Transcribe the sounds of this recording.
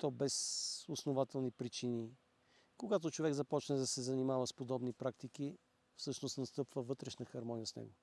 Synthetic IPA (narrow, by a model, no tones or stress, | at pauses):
t̪ɔbɛsʊsnovat̪ɛlˠnipɾit͡ʃini | koɡat̪ot͡ʃovɛɡzɐpɔt͡ʃnɛd̪ɐsɛzɐnimavəspod̪ɔbnipɾakt̪iki | fsɤʃnost̪nɐst̪ɤpvəvɤt̪ɾɛʃnəxɐɾmɔnijəsnɛ̰ɡo